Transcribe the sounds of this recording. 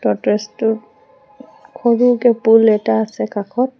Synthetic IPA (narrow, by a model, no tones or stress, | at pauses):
tɔtɹɛstʊ | kʰɔɹukɛpulɛtaːsɛkakʰɔt̚